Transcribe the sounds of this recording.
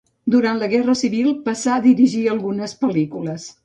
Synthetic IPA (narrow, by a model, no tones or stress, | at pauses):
d̪uɾant̪ləɣɛrəsiβilˠpəsaðiɾiʒiəlˠɣunəspəlikuləs